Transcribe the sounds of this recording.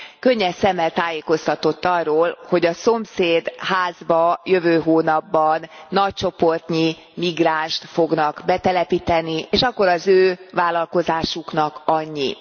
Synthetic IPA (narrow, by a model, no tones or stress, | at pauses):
køɲːɛsɛmːɛlt̪aːjeːko̞st̪ɒt̪o̞t̪ːɒrːoːlho̞ɟɒso̞mseːd̪haːzbɒjøvøːɦoːnɒbːɒnːɒc̚t͡ʃo̞po̞rt̪ɲi | miɡraːnʃt̪foɡnɒkbɛt̪ɛlɛpit̪ɛnieːʃɒkːo̞ɾɒzøːvaːlɒlko̞zaːʃuknɒkɒɲːḭ